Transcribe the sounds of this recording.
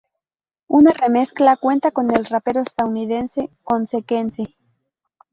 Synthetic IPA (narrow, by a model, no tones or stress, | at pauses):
unare̞me̞sklakwe̞nt̪ako̞ne̞lrape̞ɾo̞est̪aunið̞e̞nse̞ko̞nseke̞nse